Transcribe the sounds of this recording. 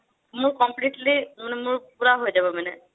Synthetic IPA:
mʊɹkɔmpliʈlimanɛmʊɹpuɹaɦojzabɔmanɛ

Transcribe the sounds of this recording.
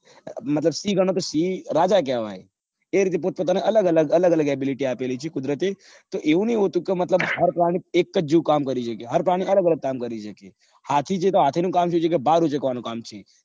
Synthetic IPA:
mət̪ləbsiɡʱəɽ̃õt̪osiɾad͡ʒakjaʋa̰e | eɾit̪̬ep̬ot̪̚pot̪̬aneʔələɡələɡələɡələɡɛbiliʈiapelit͡ʃʰekʊd̪ɾət̪e | t̪oʔeʋũnəɦĩɦot̪ũkemət̪ləbɦəɾpɾaɽ̃iekːəd͡ʒd͡ʒukamkəɾiʃəkeɦəɾpɾaɽ̃iələɡələɡ̚kamkəɾiʃəke | hat̪ʰit͡ʃʰet̪oɦat̪ʰinũkamʃũt͡ʃʰekebaɾũd͡ʒəkʋanũkamt͡ʃʰe

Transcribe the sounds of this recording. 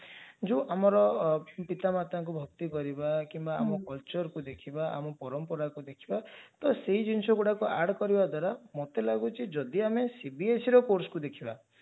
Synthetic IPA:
d͡ʒuʔamɔɾɔpit̪amat̪aŋk̬ubʱɔk̚t̪ikɔɾibakimbaːmɔkɔlt͡ʃɔɾkud̪ekʰibaa̰mɔpɔɾɔmpɔɾakud̪ekʰibat̪ɔseɦid͡ʒinsɔɡuɽakuaɾɖkɔɾibad̪waɾamot̪elaɡut͡ʃʰid͡ʒɔd̪iamesibiesiɾɔkoɾsɔ̥kud̪ekʰiba

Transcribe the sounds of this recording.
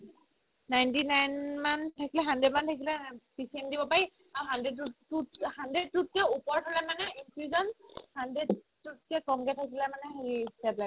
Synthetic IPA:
najntinajnmantʰakilɛɦandɹed̚mantʰakilɛpisiɛndibɔpaɹi | aɦandedutuhandɹed̚tut̚kɛupɔɹtʰɔlɛmanɛinpʰɹizɔnhanded | tːut̚kɛkɔŋkɛtʰakilɛmanɛɦeɹistapla

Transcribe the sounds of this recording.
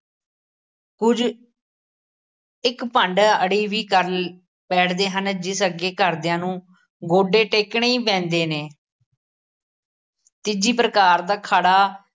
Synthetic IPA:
kʊd͡ʒ | ɪkpəɳɖəɽiːʋiːkəɾ | pɛːʈʰd̪eːɦənd͡ʒɪsəɡeːkəɾd̪ejãːnũː | ɡoːɖeːʈeːkɳeːiːpɛ̃ːnd̪eːneː | t̪ɪd͡ʒiːpɾəkaːɾd̪aːkʰaːɽaː

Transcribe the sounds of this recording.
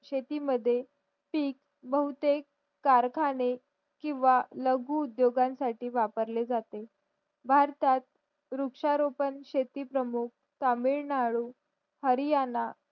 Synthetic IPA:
ɕet̪iməd̪ʱːje | piːk | bəɦut̪ekː | aɾkʰane | kĩw̃ʋaləɡuːd̪joɡãnsaʈiːʋapəɾled͡zat̪e | bʱaɾt̪at̪̚ | ɾukʂaɾopənɕet̪iːpɾəmuk̚ | t̪amiɾnaɭuː | həɾijana

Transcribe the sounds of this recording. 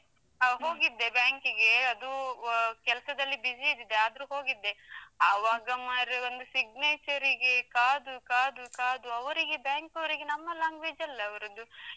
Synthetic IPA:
ɦo̞ːɡid̪ːe̞bjaːŋkiɡe̞ɐd̪ukɛlɐsɐd̪ɐlːibid͡ʒid̪id̪eaːd̪ɐɾuɦo̞ːɡid̪ːe̞aʋaːɡɐmaɾeo̞nd̪usiɡneːt͡ʃɐɾiɡe̞kaːd̪ukaːd̪ukaːd̪uɐʋɐɾiɡe̞bjaːŋkɐʋɐɾiɡenɐmːɐlaːŋɡʋeːd͡ʒɐlːɐːʋɐɾɐd̪u

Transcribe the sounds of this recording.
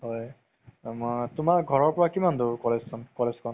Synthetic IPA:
ɦɔj | matʊmaɡʱɔɹɔɹpɔɹakimandukɔlɛssʰɔnkɔlezkɔn

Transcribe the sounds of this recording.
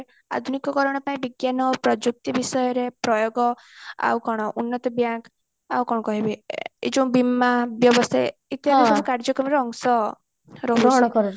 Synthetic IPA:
a̰d̪ʱunikɔkɔɾɔɽ̃ɔpaĩbiɡjanɔpɾɔd͡ʒuk̚t̪ibisɔjɔɾepɾɔjoɡɔ | a̰wkɔɽ̃ɔʔunːɔt̪ɔbjaŋk | a̰wkɔɽ̃ɔkɔɦibied͡ʒɔ̃w̃bimːabjɔbɔst̪ʰaet̪iɔɾabukaɾd͡ʒɔkɾɔmɔɾeɔŋsɔ | ɾɔɾɔɦɔɽ̃ɔkɔɾɔ

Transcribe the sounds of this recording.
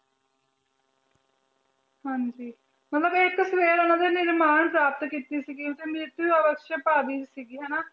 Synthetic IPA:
hɐnd͡ʒi | mɐt̪lɐbekːɐsʋeːɾɐnːɐd̪eniɾmaːnɐɳpɾaːp̚t̪ɐkit̪ːisiɡit̪emit̪ːiɐʋɐkʃjɐpaːd̪isiɡiɦɐna

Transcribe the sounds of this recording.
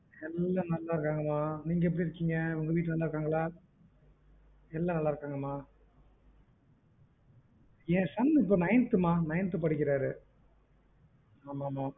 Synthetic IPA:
ɛlːaːnɐlːaːɪɾɯkːaːŋɡɐmaːniːŋɡɐɛp̬ːɐɽiɪɾɯkːiːŋɡɐɔŋɡɐʋiːʈːɯnɐlːaɪɾɯkːaːŋɡɐɭaː | ɛlːaːnɐlːaːɪɾɯkːaːŋɡɐmaː | ẽːsɐnːɪp̬ːoːnɐjɪnt̪ɯmaːnɐjɪnt̪ɯp̬ɐɽɪkːɪɾaːɾɯ | aːmaːmaː

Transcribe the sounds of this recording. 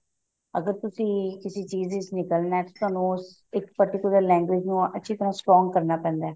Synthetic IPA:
ə̰ɡəɾt̪ʊsĩːkɪsiːt͡ʃiːzit͡ʃnɪkəlnɛːt̪ot̪ʊaːnũs | ɪkpəɾʈɪkjʊləɾlɛ̃ːŋɡwɪd͡ʒnũːətːʃʰiːt̪əɾãːsʈɾɔ̃ːŋɡ̚kəɾnaːpɛ̃ːnd̪aː

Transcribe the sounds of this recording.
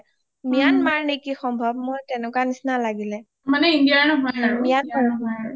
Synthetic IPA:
mijanmaɹnekixɔmbʱɔb̚mojtɛnʊkanisnalaɡilɛ | manɛindijanɔɦɔjaɹmijanmaɹnɔɦɔj

